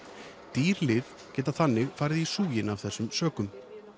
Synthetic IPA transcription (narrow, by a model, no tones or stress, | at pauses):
t̪iːɾlɪð | cɛːt̪aθanːɪɣfaːɾɪðisuːjɪnav̥θɛsːʏmsœːkʏm